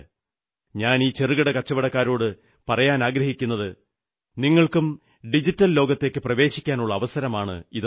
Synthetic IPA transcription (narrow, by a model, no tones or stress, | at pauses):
ɲaːniːt͡ɕerɨɣɐɽɐkɐt͡ɕːɐʋɐɽɐkːaːɾo̞ːɽɨ | pɐrɐjaːnaːɡɾɐɦikʲːunːɐðɨ | niŋːɐɭkum | ɖid͡ʑitːɐllo̞ːɡɐt̪ːe̞ːkːɨprɐʋe̞ːɕikʲːaːnuɭːɐːʋɐsɐɾɐmaːɳɨ̰ið